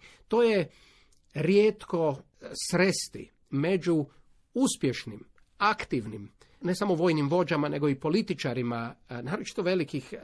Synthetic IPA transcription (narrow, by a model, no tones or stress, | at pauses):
t̪o̞ːje | ɾjeːt̪ko̞ | sɾest̪ḭ | me̞d͡ʒu | uspjeʃnim | akt̪iʋnim | ne̞samo̞ʋo̞ːjnimʋo̞d͡ʑamane̞ɡoipo̞lit̪it͡ʃaɾimanaːɾot͡ʃi̥t̪oʋe̞likix